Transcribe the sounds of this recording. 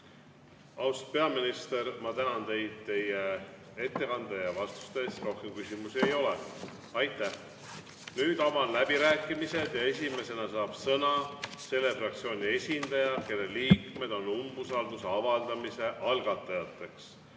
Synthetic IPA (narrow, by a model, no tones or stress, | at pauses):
ɑwspe̞ɑminist̪e̞ɾmɑt̪ænɑnt̪e̞jd̪̥̚t̪e̞je | e̞t̪ːe̞kɑnd̪̥ejɑvɑst̪u̥st̪eeːst̪ro̞hkemkysʲimusie̞jo̞le | ɑjt̪ːˑæh | nyːd̪̥ɑvɑnlæbiɾæːkˑːimise̞d̪̥jɑe̞sʲime̞se̞nɑsɑːb̥sɤnɑse̞lːe̞frɑk̚t̪sio̞ːnʲie̞sʲind̪̥ɑjɑke̞lːeliːkme̞d̪̥o̞numb̥usɑld̪useɑvɑld̪̥ɑmise̞ʔɑlɡ̥ɑt̪ːˑɑjɑt̪ːˑe̞ks